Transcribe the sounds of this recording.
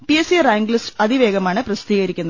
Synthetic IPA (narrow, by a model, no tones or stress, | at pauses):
piesiɐraːŋɡɭisɐðiʋeːɡɐmaːɳɨprɐst̪iːɣɐɾikʲːunːɐð